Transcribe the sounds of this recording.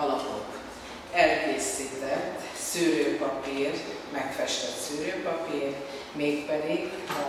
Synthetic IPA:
ɒlɒpo̰k | ɛlkeːsiːt̪ɛt̪ː | syːɾøːpɒpiːr | mɛkfɛʃt̪ɛt̪syːɾøːpɒpiːr | meːkpɛd̪iɡ

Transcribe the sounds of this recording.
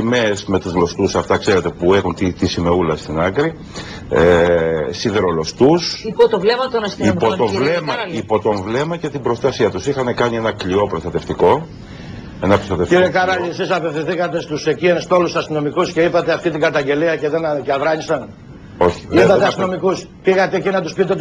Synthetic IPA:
imesme̞t̪uzlo̞st̪usɐft̪ɐkse̞ɾe̞t̪e̞pue̞xunt̪it̪isime̞ulɐst̪inɐkɾi | esiðeɾolo̞st̪usot̪ovlemɐt̪onɐsipot̪ovlemɐipo̞t̪o̞ɱvle̞mɐce̞t̪ibɾo̞st̪ɐsiɐt̪usixɐnekɐɲie̞nɐklio̞pɾo̞st̪ɐt̪e̞ft̪iko̞ | e̞nɐpɾost̪ɐt̪efciɾekɐɾɐʎiesisɐpe̞θiθikɐt̪e̞st̪use̞cienst̪o̞lusɐst̪ino̞mikusceipɐt̪eɐft̪it̪iŋɡɐt̪ɐɲɟe̞liɐce̞ðenceɐvɾɐɲisɐn | o̞çi̥ipɐteɐst̪ino̞mikuspiɣɐt̪e̞ːcinɐt̪uspit̪e

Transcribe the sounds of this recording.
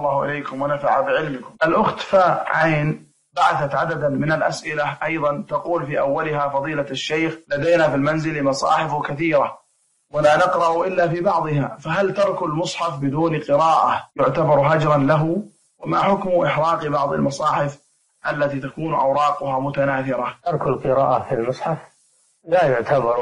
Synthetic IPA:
lˤːɑːhʊʔɪ̰lejkʊmwanafaʕabɪʕɪlmɪkʊmʔalʔʊxt̪faʕaːn | baʕaθat̪ʕad̪ad̪mɪnalʔasʔɪlaʔɑjðˤɑnt̪ɑquːlfiːʔawːalɪɦafɑðˤiːlaʃːejxlad̪ajnafilmanzɪlɪmɑsˤɑ̰ːħɪfkaθiːɾa | walaːnɪqɾˤɑʔʊʔɪlːafiːbɑʕðˤɨɦa̰faɦalt̪ɑɾˤkʊlmʊsˤħɑfbɪd̪uːnqɨɾaːʔajʊʕt̪abɑɾˤɦad͡ʒɾˤɑnlaɦʊ | wɪmaħʊkmʊʔɪħɾˤɑːqbɑʕðˤɑ̰lmɑsˤɑːħɪf | ʔalːat̪iːt̪akuːnʔa̰wɾˤɑːqʊhaːmʊt̪anaːθɪɾˤat̪ɑɾˤklqɨɾa̰ːʔafilmʊsˤħɑf | lajʊʕt̪ʰabɑɾˤ

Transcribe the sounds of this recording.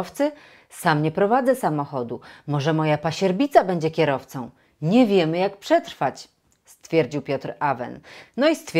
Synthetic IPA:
ft̪sɘ | samɲɛpɾɔvad̪zɛsamɔxɔd̪umɔʐɛmɔjapaɕɛɾbʲit̪sabɛɲd͡ʑɛkʲɛɾɔft̪sɔ̃w̃ | ɲɛvʲjɛmɘjak̚pʂɛt̪ɾfat͡ɕ | st̪fʲjɛɾd͡ʑiwpʲjɔt̪ɾavɛ̰nːɔist̪fʲ

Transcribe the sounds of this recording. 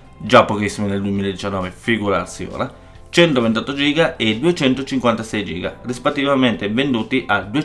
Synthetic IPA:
d͡ʒapːokisːimineld̪uemiːlaed̪ːit͡ʃanːɔːvefiɡuɾa̰rsio̰ːɾa | t͡ʃɛnt̪ovent̪ɔt̪ːod͡ʒiːɡaed̪uet͡ʃɛnt̪ot͡ʃiŋkwant̪asɛjd͡ʒḭːɡa̰rispet̪ːivament̪evend̪uːt̪iʔad̪ue

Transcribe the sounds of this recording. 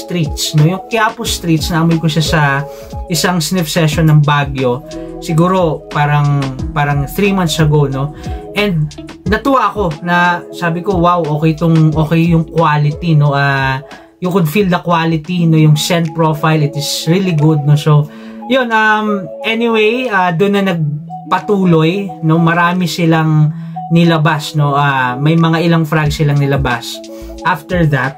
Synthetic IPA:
st̪ɾit̪snojʊŋkɪaːpost̪ɾit̪snɐʔɐmʊjkoʃasɐ | ʔɪsɐŋsnɪfsɛʃonːɐŋbaːɡjo̞sɪɡuːɾo̞paːɾɐŋpaːɾɐŋθɾimant̪sɐɡowno̞ʔɛnd̪̚ | nɐt̪uwaʔɐko̞nɐsaːbɪko̞wawʔo̞ːkɛjt̪oŋʔo̞ːkɛjjʊŋkwalɪt̪ino̞ʔaː | jʊŋkʊd̪fild̪ɐkwaːlɪt̪inojʊŋsɛnt̪̚pɹofajlɪt̪ɪsɹiliɡʊd̪̚no̞so | jonʔɐmʔɛnɪwejaːd̪ʊnːɐnɐɡ̚ | pɐt̪uːlo̞jno̞mɐɾaːmɪsɪlaŋ | nɪlɐbasno̞ʔaːmɐjmɐŋaʔɪlaŋfɾaɡsɪlaŋnɪlɐbas | ʔaft̪ɛɹðɐt̪̚

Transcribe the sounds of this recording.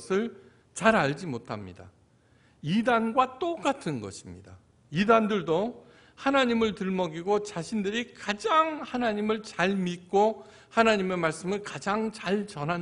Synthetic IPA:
sʰɯɭ | t͡ɕaɾaɭd͡ʑimotʰa̰mɲḭda̰ | idanɡwat͈ok͈atʰɯnɡʌ̰ɕʰimɲḭda | idandɯɭdo | hanaɲimɯɭtɯɭmʌɡiɡot͡ɕaɕʰindɯɾikad͡ʑaŋhanaɲimɯɭt͡ɕaɭmit̚k͈o | hanaɲime̞maɭs͈ɯmɯɭkad͡ʑaŋt͡ɕaɭt͡ɕʌnɦan

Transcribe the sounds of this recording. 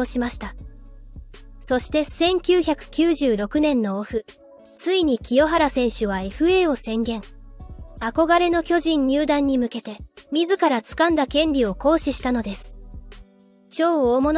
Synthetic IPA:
oɕimaɕi̥t̪a | so̞ɕi̥t̪e̞sẽ̞ŋkʲɨːçakɯ̟̥kʲɨːʑɨːɾo̞kɯ̟nẽ̞nːo̞oɸɯ̟ | t͡sɨiɲ̟ikʲijo̞ɦaɾasẽ̞ɰ̃ɕɨβae̞ɸɯ̟e̞ːo̞sẽ̞ŋɡẽ̞ŋ | ako̞ɡaɾe̞no̞kʲo̞ʑĩɲ̟ɲɨːd̪ãɲ̟ːimɯ̟ke̞t̪e̞mʲizɨkaɾat͡sɨ̥kãnd̪akẽ̞nɾʲio̞ko̞ːɕiɕi̥t̪ano̞d̪e̞sɨ̥ | t͡ɕo̞ːoːmon

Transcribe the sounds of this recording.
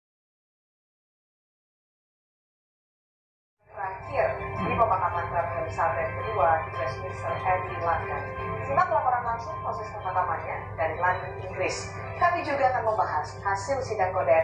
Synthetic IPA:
ɾakɪrɾipəmakamankapdaɾisalaŋkəduad͡ʒɾɛsmisəkɛdilanta̰nsənaŋlapoɾanlaŋsʊŋposɛskəmakamana | daɾilandʊniŋɡɾɪs | t̪amid͡ʒuɡaːkanməmbaɦashasɪlsidaŋkoda

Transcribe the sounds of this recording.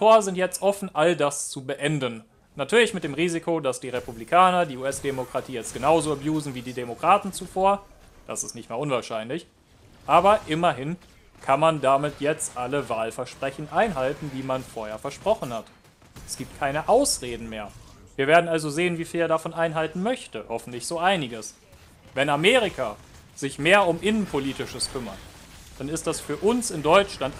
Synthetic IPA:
tʰoːɐzɪntjɛt͡stʔɔfn̩ʔaldast͡subəʔɛndənː | atʰyːɐlɪçmɪt̚d̥eːmʁiːzikʰodasd̥iːʁepublikʰaːnɐdiːuːɛsd̥emokʁ̥atʰiːjɛt͡st̚ɡ̥ənaʊzoːɛbjuːzn̩viːdiːdemokʁ̥aːtn̩t͡sufoːɐ | d̥asɪstnɪçtmeːɐʔʊnvaːɐʃaɪnlɪç | ʔaːbɐʔɪmɐɦɪn | kʰanmandamɪtʰjɛt͡stʔaləvaːlfɛɐʃpʁ̥ɛçn̩ʔaɪnɦaltn̩diːmanfoːɐheːɐfɛɐʃpʁ̥ɔχn̩hat | ʔɛsɡ̥iːp̚t̚kʰaɪnəʔaʊsʁeːdn̩meːɐviːɐveːɐdn̩alzozeːənviːfiːleːɐdafɔnʔaɪnɦaltn̩mœçtəhɔfn̩tlɪçz̥oːʔaɪnɪɡəs | vɛnameːʁ̞ɪkʰa | z̥ɪçmeːɐʊmʔɪnənpʰoliːtɪʃəskʰʏmɐ̰td̥anɪst̚d̥asfyːɐʔʊnsɪndɔʏt͡ʃlant

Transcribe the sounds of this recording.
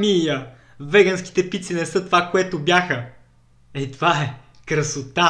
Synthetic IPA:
mijə | vɛɡɐnski̥t̪ɛpit̪sinɛsɤt̪ovakoɛt̪obʲjaxə | ɛt̪ovaɛ | kɾəsot̪a

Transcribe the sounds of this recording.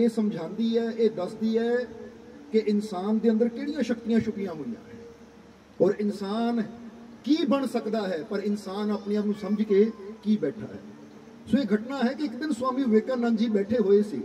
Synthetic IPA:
eːsəmd͡ʒʱãːnd̪iːɦɛːʔeːd̪əsd̪iːɦɛː | kɪʔɪnsaːnd̪eːə̃nd̪əɾkeːɽijãːʃək̚t̪ijãːʃʊkɪjãːɦoːjã̰ːɦɛː | ɔːɾɪnsaːn | kiːbəɳsəkd̪aːɦɛːpəɾɪnsaːnaːpneːaːnũːsəməd͡ʒkeːkiːbɛːʈʰa̰ːɦɛ̰ː | sõːeːɡʱəʈnaːɦɛːkeɪkd̪ɪnsʊaːmiːʋeːkaːnə̃ːnd͡ʒiːbɛːʈʰeːɦoːeːsḛː

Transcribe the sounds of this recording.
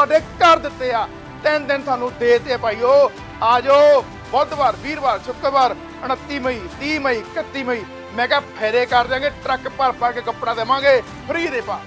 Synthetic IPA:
saːɖeːkəɾd̪ɪt̪ːeːaː | t̪ɪnd̪ɪnsaːnũːd̪eːt̪eːpaːiːoː | aːd͡ʒoː | bɔːd̪baːɾbiːɾbaːɾt͡ʃʰʊkəbaːɾ | əɳ̃ət̪ːiːməiːt̪iːməiːkət̪ːiːməiː | mɛ̃ːkɛːpʰɛːɾeːkəɾd̪ejãːɡeːʈɾəkpəɾpəɾkekəpɽaːd̪eːmãːŋɡeː | pʰəɾiːd̪eːpaː

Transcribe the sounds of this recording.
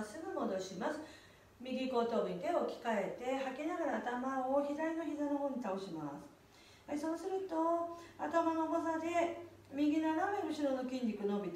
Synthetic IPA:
sɨɡɯ̟mo̞d̪o̞ɕimasɨ̥ | mʲiɡʲiko̞t̪o̞ːɲit̪e̞o̞kʲi̥kae̞t̪e̞hakinaɡaɾaːt̪amaoçizaɾino̞çizano̞ɦoːɲ̟it̪ao̞ɕima̰sɨ̥ | eso̞ːsɨɾɯ̟t̪oat̪amanobazad̪e̞ | mʲiɡʲinaɾaɾeɯ̟ɕiɾo̞no̞kʲĩɲʲdʲikɯno̞bʲit̪

